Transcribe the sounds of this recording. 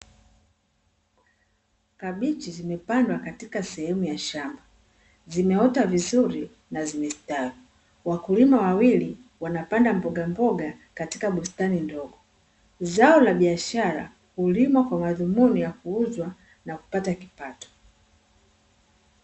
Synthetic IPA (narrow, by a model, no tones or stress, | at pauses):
kaɓit͡ʃizimɛpandwakatikasɛhɛmujaʃamba | zimɛhɔtavizuɾi | nazimɛsitavi | wakulimawawili | wanapandambɔɡambɔɡa | kati̥kaɓustanindɔɡɔ | zaɔlaɓiaʃaɾa̰ | kulimwakwamaðumunijakuuzwa | naku̥pataki̥patɔ̥